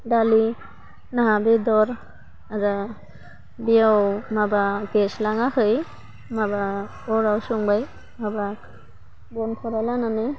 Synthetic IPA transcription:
dali | naɦabed̪ɔɾ | aɾa | biawmabaɡɛslaŋahɯj | maba | ɔɾawsɔŋbaj | mabak | bɔnpʰɔɾalananɯ

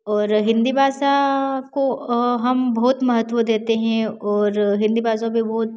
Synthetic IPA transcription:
ɔːɾɦɪ̃nd̪ibaːsakoɦɐmbɔːt̪mɐɦət̪ːʋod̪eːt̪eɦɛ̃ɔːɾɦɪ̃nd̪ibaːs̬abʱibɔːt̪̚

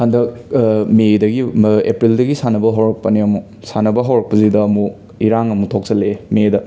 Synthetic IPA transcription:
handɐkmedɐɡiḛpɾildɐɡisanɐbɐɦawɾɐk̚pɐniɐmu | sanɐbɐɦawɾɐk̚pɐzidɐːmu | iɾaŋɐmutʰok̚t͡ʃɐlemedɐ

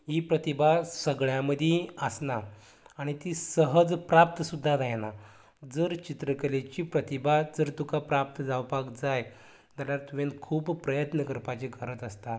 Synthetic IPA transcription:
ɦipɾət̪ibʱasəɡɭjaməd̪ʱjeəsnaː | ɽ̃it̪iːsəɦəd͡zpɾap̚t̪əsud̪ʱːad̪ajna | d͡zəɾt͡ɕit̪ɾəkəlet͡ɕipɾət̪ibad͡zəɾt̪ukapɾap̚t̪əd͡zawpakd͡zaj | t̪aljaɾt̪uʋẽnkʰuːpːɾəjət̪nəkəɾpat͡ɕeɡʱəɾət̪əst̪a

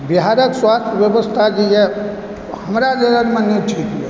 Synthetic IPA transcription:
biɦaɾəkswast̪ʰjəbjebəst̪ʰad͡ʒejɛ | həmɾad͡ʒəɾənmeneʈʰikjɛ

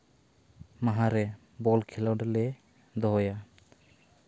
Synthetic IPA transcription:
maɦaɾɛ | bɔlkʰɛlawɖɛlɛ | d̪ɔɦɔja

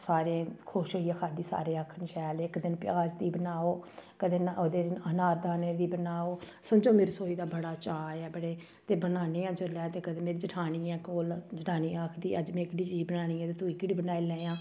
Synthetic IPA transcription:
saːɾẽːkʰoʃɦoːiːɛːkʰaːd̪iːsa̰ːɾeːaːkʰənʃɛːlɪkd̪ɪnpjaːd͡ʒd̪iːbənaːoːkəd̪eːnod̪eːənaːɾd̪aːneːd̪iːbənaːoːsəmd͡ʒõːmeːɾsoːiːd̪aːbəɽaːt͡ʃaːɛːbəɽeː | t̪eːbənaːneːãːd͡ʒəlɛːt̪eːkəd̪eːmeːɾiːd͡ʒəʈʰaːñiːɛ̃ːkoːld͡ʒəʈʰaːniːaːkʰd̪iːʔəd͡ʒmɛ̃ːɪkɽiːt͡ʃiːd͡ʒbənaːñiːɛ̃ːt̪eːt̪uːiːkɽiːbənaːilɛ̃ːjãː

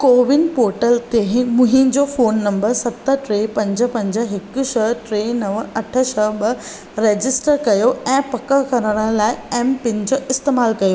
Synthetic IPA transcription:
koːʋɪnpoːɾʈəlt̪eɦɪ̃mʊ̃ɦɪ̃d͡ʑofoːnːɐ̃mbəɾsɐt̪əʈɾeːpɐ̃ɲd͡ʑə̆pɐ̃ɲd͡ʑə̆ɦɪkʊʃɐʈɾeːnɐʋɐʈʰə̆ʃɐɓɐ | ɾeːd͡ʑɪsʈəɾkɐjoɛ̃ːpɐkəkɐɾəɽ̃ə̆laːɪɛːmpɪ̃n̆d͡ʑoːʔɪst̪eːmaːlkɐjoː

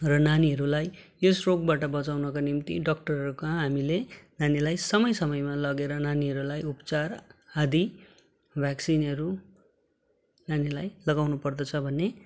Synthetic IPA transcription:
rʌnaniɦʌɾulaj | osrok̚baʈʌbʌt͡sawnʌkonimt̪ḭɖʌk̚ʈʌrɦʌɾukaɦamilenanilajsʌmʌjsʌmʌjmalʌɡeɾʌnaniɦʌɾulajupʌt͡sarad̪i | bʱjaksinʌɾu | nanilajlʌɡawnupʌrd̪ʌt͡sʰʌbʱʌnːe

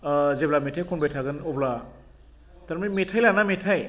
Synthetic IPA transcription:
zeblametʰajkʰɔnbajtʰaɡɯnɔbla | taɾmimetʰajlanametʰaj

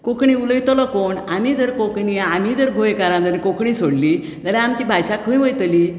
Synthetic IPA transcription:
kokɳĩuləjt̪ləkoɳamid͡zəɾkokɳiamiːd͡zəɾɡʱojkaɾãd͡zəɾĩkokɳĩsoɽli | d͡zəɾẽamt͡ɕiːbʱajɕakʰəj̃ʋəjt̪liː

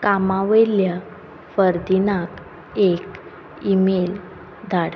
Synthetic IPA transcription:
kamaʋelja | fəɾd̪inak | ek | imel | d̪ʱaɽ

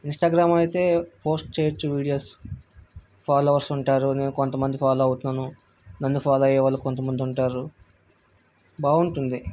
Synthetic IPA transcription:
insʈaːɡɾaːmɐjt̪e̞ːpʰoːsʈt͡ʃeːɾt͡ʃuʋiːɽijoːs | pʰaːloːʋɐɾsuɳʈaːɾune̞ːnukont̪ɐmɐnd̪ipʰaːloɐwt̪unːaːnu | nɐnːupʰaːlɐjɛːʋɐːlːɐkont̪̬ɐmɐnd̪iuɳʈaːɾu | baːuɳʈund̪i

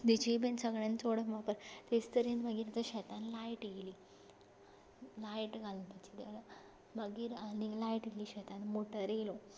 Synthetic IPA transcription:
d̪it͡ɕebẽnsəɡɭẽnt͡soɽəkʋapəɾt̪est̪əɾenməɡiːɾt̪əɕɛt̪anlajʈjeliː | lajʈɡʱalunpət͡ɕid̪el | məɡiːɾanilajʈeliːɕɛt̪anmoʈəɾelo

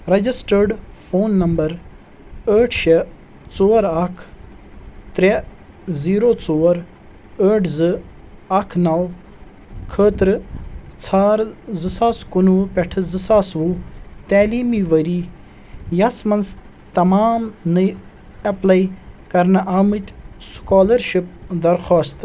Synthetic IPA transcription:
ɾɐd͡ʒisʈəɾɖpʰoːnːɐmbɐɾ | əːʈʰʃe | t͡soːɾɐkʰ | t̪ɾe | ziːɾoːt͡soːɾ | əːʈʰzɨ | ɐkʰnɐw | kʰəːt̪ɾt͡sʰaːɾzɨsaːskunupeʈʰɨzɨsaːsʋut̪aːliːmiʋɐɾiː | jɐsmɐns | t̪ɐmaːmnɨ | ɐplaikɐɾnɐʔaːmɨt̪ʲskaːlɐɾʃip̚d̪ɐɾxoːst̪

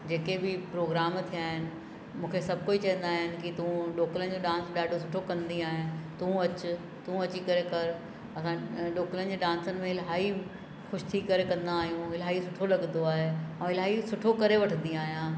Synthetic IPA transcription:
d͡ʑeːkebɪpɾoːɡɾaːmt̪ʰijaːɦɪnɪ̆ | mũːkʰesɐb̚ʱkoːit͡ɕɐ̃ɦə̃nd̪aːɦɪnɪ̆kit̪uũɖoːkələnɪ̆d͡ʑoɖãːnsɗaːɖʱosʊʈʰokɐ̃nd̪iaːɦɪnt̪ũɐt͡ɕʊ | t̪ũɐt͡ɕikɐɾekɐɾ | ɐsãɗoːkələnɪ̆d͡ʑeːɖãːnsənɪ̆mẽɦɪlɦaːi | xʊʃt̪ʰiːkɐɾekɐ̃nd̪aːɦijũɦɪlɦaːisʊʈʰolɐɡnd̪oaːɦeɛ̃ːɪlɦaːisʊʈʰokɐɾeʋɐʈʰə̃nd̪iaːɦijãː

